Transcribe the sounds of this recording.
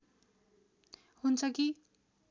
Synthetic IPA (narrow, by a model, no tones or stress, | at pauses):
hunt͡sʰʌki